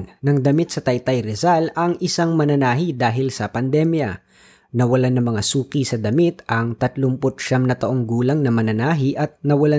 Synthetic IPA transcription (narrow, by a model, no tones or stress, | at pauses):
nɐŋd̪ɐmit̪̚sɐt̪ɐjt̪ɐjɾɛzalɐŋʔɪsaŋmɐnɐnaːɦid̪aːɦɪlsɐpɐnd̪ɛmjɐ̰ | nɐwɐlanːɐmɐŋasuːkisɐd̪ɐmit̪ʔɐŋt̪ɐt̪lʊmpʊt̪̚ʃamnɐt̪ɐʔoŋɡuːlɐŋnɐmɐnɐnaːɦiʔɐt̪̚nɐwɐla